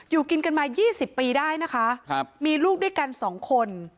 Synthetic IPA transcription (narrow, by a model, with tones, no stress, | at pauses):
juː˨˩ki˧nka˧nmaː˧jiː˥˩si˨˩pːiː˧daː˥˩jna˦˥kʰa˦˥ʔmiː˧luː˥˩k̚du˥˩˨jka˧nsɔː˩˦ŋkʰo˧n